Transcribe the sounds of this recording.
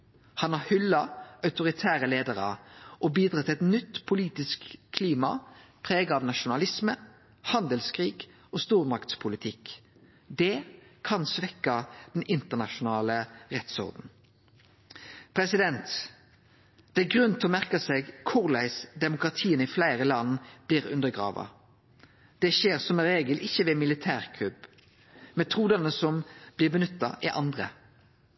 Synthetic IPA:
hɑnɑʁhʏlːɑɑʉt̪ʊʁɪt̪ʰæːɾəleːd̪əʁə̰ʔɔbiːd̪ʁɑt̪ɛt̪nʏt̪ːpʰʊliːt̪ɪskʰːliːmɑpʰʁeːɡɑɑʋnɑʃʊnɑlɪsmə | hɑnd̪əlskʰʁiːɡ | ʔost̪uːʁmɑkt̪spʰʊlɪt̪ʰɪk | d̪ɛkʰɑnsʋɛkːɑd̪̥ɛnɪnt̪əʁnɑʃʊnɑːləʁɛt̪sɔ̰ʁd̪n̩ | pʰɾɛsɪd̪ɛnt̪ | d̪̥ɛæɡʁʉnt̪ʰɛɔmæʁkɑsɛɡkʰʊʁlæɪsd̪ɛmʊkɾɑt̪ʰiːənəɪflæɪʁəlɑnːb̥liːʁʉ̰nd̪əɾɡʁɑ̰ːʋɑ̰ | d̪̥ɛʃeːʁsɔmɛnʁeːɡəlɪçːəʋɛmɪlɪt̪ʰæːʁkʰlʉb | mɛt̪ʰʁuːd̪ɑnəsɔmb̥lɪːʁbənʏt̪ːɑʔɪʔɑ̰nd̪ʁə

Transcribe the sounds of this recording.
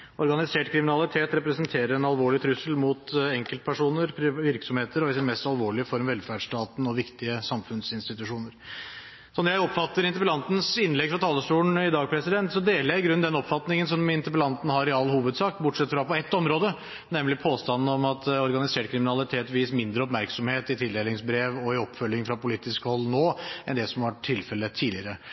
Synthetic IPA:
ɔɾɡɑnɪseːʈkʰɾɪmɪnɑlɪt̪ʰeːt̪ɾɛpɾɛsənt̪ʰeːɾəɾɛnɑlʋoːɭɪt̪ʰɾʉsːəlmʊt̪ɛŋkəlt̪̚pʰæʂuːnəɾpʰɾɪʋɪɾksɔmheːt̪əɾɔɪsɪnmɛst̪ɑlʋoːɭɪəfɔɾmʋɛlfæɖʂt̪ɑːt̪n̩ɔʋɪkt̪ɪəsɑmfʉnsɪnst̪ɪt̪ʉʂuːnəɾ | sɔnɾjæɪɔpːfɑt̪ːəɾɪnt̪əpəlɑnt̪n̩sɪnːlɛɡfɾɑt̪ʰɑːlːəsʈ̪uːɳɪd̪ɑːɡ̚pʰɾɛsɪd̪ɛnt̪sɔd̪eːləɾjæɪɡɾʉnːd̪ɛnɔpːfɑt̪nɪŋənsɔmɪnt̪əpəlɑnt̪n̩hɑɾɪɑlːhuːʋəd̪sɑːkbʊʈʂɛt̪ːfɾɑpɔɛt̪ːɔmɾoːd̪ə | nɛmlɪpʰoːst̪ɑnːn̩ɔmɑt̪ɔɾɡɑnɪseːʈ̚kʰɾɪmɪnɑlɪt̪ʰeːt̪ʋiːsmɪnd̪ɾəɔpmæɾksɔmheːt̪ɪt̪ʰɪld̪eːlɪŋsbɾeːʋɔɪɔpːfœlːɪŋfɾɑpʊliːt̪ɪskəhɔlːnoːɛ̰nd̪ɛsɔmʋɑʈʰːɪlfɛlːət̪ʰiːlɪəɾə

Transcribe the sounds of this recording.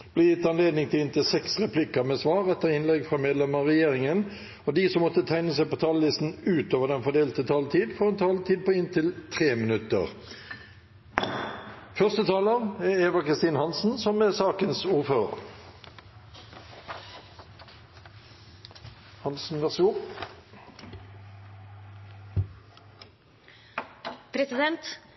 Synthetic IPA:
b̥lɛːjɪt̪ːɑnleːd̪nɪŋt̪ʰɪlɪnt̪ʰɪsɛksʁɛpʰlɪkəmeːsʋɑːʁɛt̪ːəʁɪnlɛɡfʁɑmeːd̪lɛməʁɛjeːʁɪŋən | od̪iːsɔmːɔt̪ːət̪ʰæɪnəs̬æɪpoːt̪ʰɑːləlɪst̪n̩ʉːt̪oːʋəd̪ɛnfɔd̪eːlt̪ət̪ʰɑːlt̪ʰiːd̪fɔʁɛnt̪ʰɑːlt̪ʰiːd̪̚pʰoːɪnt̪ʰɪlt̪ʰʁeːmɪnʉt̪ə̰ʁ | fœʁst̪ət̪ʰɑːləʁɛeːʋəkʰʁɪst̪iːnhɑnsn̩sɔmɛsɑːkənsuːʁføːʁə̰ | hɑnsn̩ʋɛʁsʊp | pʰɾɛsɪd̪ɛnt̪

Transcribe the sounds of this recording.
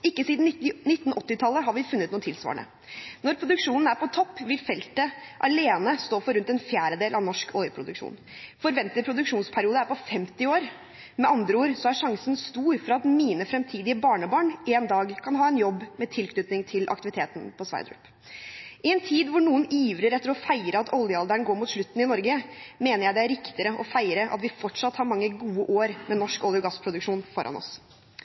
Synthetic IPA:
ɪkːəsiːd̪n̩ɪt̪ːn̩ʔɔt̪ːɪt̪ʰɑlːəɦɑɾʋɪfʉnːət̪nuːət̪ʰɪlsʋɑ̰ːɳə̰ | nɔɾpʰɾʊd̪ʉkʂuːnn̩æɾpʰɔt̪ʰɔpːʋɪlfɛlt̪əʔɑleːnəst̪oːfɔɾʉnt̪ɛnfjæːɾəd̪eːlɑʋnɔʂkʰœʏəpʰɾʊd̪ʉkʂṵːn | fɔɾʋɛnt̪ət̪pʰɾʊd̪ʉkʂuːnspʰæɾɪuːd̪əæɾpɔfɛmt̪ɪoːɾ | mɛʔɑnd̪ɾəuːɾsɔæɾʂɑŋsənst̪uːɾfɔɾɑt̪miːnəfɾɛmt̪ʰiːd̪ɪəbɑːɳəbɑːɳeːnd̪ɑːɡkʰɑnɦɑːɛnjɔbːmɛt̪ʰɪlkʰnʉːt̪nɪŋt̪ʰɪlʔɑ̰k̚t̪ɪʋɪt̪ʰeːt̪n̩pʰɔsʋæ̰ɪɾd̪ɾʉ̰p | ʔɪɛnt̪ʰiːd̪ʋʊɳuːəniːʋɾəɾɛt̪ːəɾɔfæɪɾəɑt̪ʰɔljəɑld̪æɳɡoːɾmuːt̪ʃʂɭʉt̪ːn̩ɪnɔɾɡəmeːnəɾjæɪd̪ɛæɾɪkt̪ɪɾəʔɔfæɪɾəʔɑ̰t̪ʋɪfɔʈʂɑt̪ːhɑːɾmɑŋːəɡuːəʔoːɾmɛnɔʂkɔljʊɡɑsːpʰɾʊd̪ʉkʂuːnfɔɾʔɑ̰nɔ̰s

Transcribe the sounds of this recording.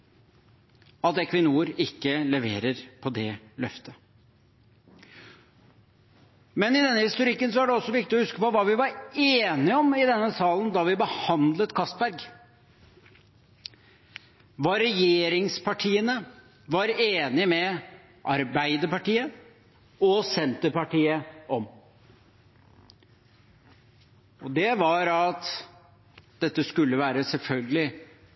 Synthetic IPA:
ɑt̪ɛkʰʋɪnuːəɾɪkːələʋḛːɾəɾpʰɔd̪ɛlœft̪ʰə | mɛnɪd̪ɛnːəhɪst̪ʊɾɪkːənsɔæɖɛɔsːɔʋɪk̚t̪ɪɔhʉskəpɔʋɑːʋɪʋɑɾeːnɪɔmɪd̪ɛnːəsɑːlənd̪ɑʋɪbəhɑnd̪lət̪kʰɑst̪bæɾɡ | ʋɑɾɛjeːɾɪŋspʰɑʈʰiːənə | ʋɑɾeːnɪmɛ | ʔɑɾbæɪd̪əɾpɑʈiːə | ɔsɛnt̪əɾpɑʈiːəʔɔm | ɔd̪ɛʋɑɾɑt̪ | d̪ɛt̪ːəskʉlːəʋæːɾəsɛlfœlɡəlɪ

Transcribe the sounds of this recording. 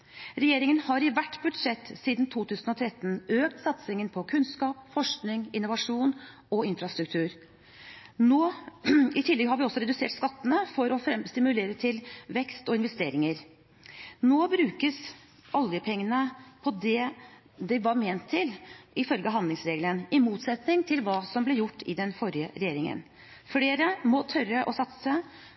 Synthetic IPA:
ɾɛjeːɾɪŋənhɑɾɪʋæʈːbʉd̪ʂɛt̪ːsiːd̪nt̪ʰuːt̪ʰʉːsənɔt̪ʰɾɛt̪ːn̩øːk̚t̪sɑt̪sɪŋənpʰɔkʰʉnskɑːpfɔʂknɪŋɪnːʊʋɑʂuːn | ɔɪnfɾɑst̪ɾʉk̚t̪ʰʉːɾ | noː | ɪt̪ʰɪlːɛɡɦɑɾʋɪɔsɔɾɛd̪ʉsḛːʈskɑt̪ːənəfɔɾɔfɾɛmst̪ɪmʉleːɾət̪ʰɪlʋɛkst̪ɔɪnʋɛst̪eːɾɪŋəɾ | noːbɾʉːkəs | ʔɑljəpʰɛŋːənəpʰɔd̪ɛ | d̪ɛʋɑɾmeːnt̪ʰːɪlɪfœlɡəɦɑnd̪lɪŋsɾeːɡlənɪmuːt̪sɛt̪nɪŋt̪ʰɪlʋɑːsɔmblɛjʊʈːɪd̪ɛnfɔɾjəɾɛjeːɾɪŋə̰n | fɽeːɾəmɔt̪ʰœɾəʔɔsɑt̪sə

